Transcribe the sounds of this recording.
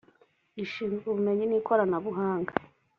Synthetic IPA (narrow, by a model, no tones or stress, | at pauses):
iʃiːnzɡuβume̞ɲiniːkʰo̞ɾanaβuɦaːŋɡa